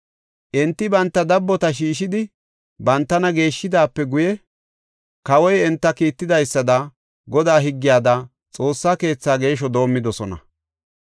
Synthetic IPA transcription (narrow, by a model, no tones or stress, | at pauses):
ʔɪnt̪ːɪbɐnt̪ːɐd̪ɐbːɔt̪ɐʃ̬iːʃɪd̪ɪ | bɐnt̪ːɐnɐɡe̞ːʃːɪd̪aːpːɛɡʊjɛ | kɐwɔjɛnt̪ːɐkiːt̪ːɪd̪ɐjsːɐd̪ɐ | ɡɔd̪aːɦɪɡːɪjaːd̪ɐ | t͡sʼo̞ːsːaːke̞ːt͡sːaːɡe̞ːʃ̬ɔd̪o̞ːmːɪd̪ɔsɔnɐ̰